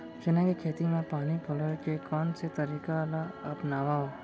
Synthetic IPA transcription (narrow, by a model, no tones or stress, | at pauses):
ʃenãkekʰet̪imãpaːnipʰolojkekɔnt͡ʃʰet̪əɾikalaəpnaʋao